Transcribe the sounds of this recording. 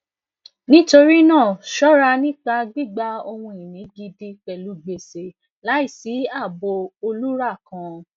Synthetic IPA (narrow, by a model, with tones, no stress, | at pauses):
nĩ˦to˧ɾi˦nãː˦˨ʃɔ˦ɾa˧nĩ˦k͡pa˧ɡ͡bi˦˨ɡ͡ba˧o˧wũ˧i˨nĩ˨˦ɡi˧di˧k͡pɛ˨lu˨˦ɡ͡be˨se˨ | la˨˦i˦˨si˨˦a˦˨bo˧o˧lu˦ɾa˦˨kã˨˧